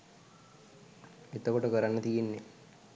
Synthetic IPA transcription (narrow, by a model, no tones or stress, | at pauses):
et̪əkoʈəkəɾanːət̪ijenːe